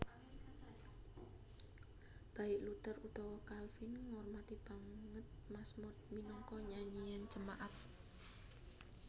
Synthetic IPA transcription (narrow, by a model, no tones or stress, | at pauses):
b̥a̤ɪʔlut̪ərud̪̥ɔwɔkalfɪnŋɔrmat̪ib̥a̤ŋət̪̚masmʊt̪̚minɔŋkɔɲaɲijand͡ʒəmaʔat̪̚